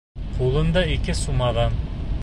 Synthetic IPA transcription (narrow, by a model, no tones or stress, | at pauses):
qʰulˠɤ̆nd̪ɑikɘsumɑðɑn